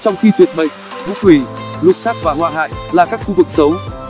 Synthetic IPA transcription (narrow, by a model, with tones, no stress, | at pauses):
t͡ɕɔ˧wŋ͡mxi˧t̪ʰwi˨˩ət̚ɓə̰˧˨jŋ̟̚ | vṵ˧˥wi˨˩lʊ˨˩saː˦˥k̚vaː˨˩hwaː˧˩ɦa̰ː˧˨jlaː˨˩kaː˦˥k̚xu˧vɨ˨˩k̚sə˨˦w